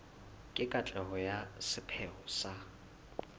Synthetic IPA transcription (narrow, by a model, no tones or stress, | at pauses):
kʼɪkʼat͡ɬʼɛɦɔjasɪpʰɛɔsa